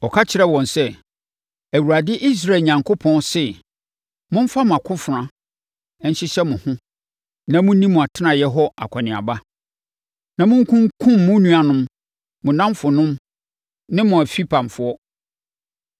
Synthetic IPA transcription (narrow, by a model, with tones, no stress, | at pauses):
ɔ˨kʰa˦t͡ɕʰɪ˨˦ɾɛ˦wɔ̃˨nsɛ˦ | æ˨wɾa˨dɪ˦ʔi˦s̬ɾa˦e˨ɲã˨ŋkʰo˦pʰɔ̃˦nsɛ˦ | mʊ̃˦m̩˦fa˦mʊ̃˨a˨kʰʊ̃˦fɾã˦ | ɛ˦n˦ɕɪ˦ɕɛ˦mʊ̃˨hʊ̃˦ | nã˨mʊ̃˦ĩ˦mũ˨a˨tʰɪ˦nã˨jɛ˦ɦɔ˦a̰˨kʰa˨nɪ̃˨a̰˨ba˦ | nã˨mʊ̃˦ŋ˦kʰʊ̃˦ŋkʰʊ̃˦mːʊ̃˦nũ˦a˨nʊ̃˦m | mʊ̃˨nã˦mfʊ˨nʊ̃˦m | nɪ̃˦mʊ̃˨æ˨fi˦pʰã˨m˨fʊ˦ɔ˦